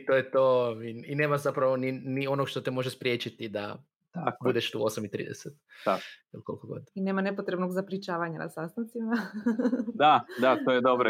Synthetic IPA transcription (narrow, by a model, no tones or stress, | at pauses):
t̪ojet̪oːiine̞ːmazapɾaʋoninio̞noɡʃt̪ot̪emo̞ʒespɾje̞ːt͡ʃit̪id̪a̰ | akbud̪eʃt̪ṵːo̞samit̪ɾḭd̪eset̪̚ailko̞lˠkoɡo̞̰d̪ineːmanepot̪ɾebnoɡzapɾit͡ʃaːʋaɲana̰sast̪ant̪sima | d̪ad̪at̪ojed̪obɾo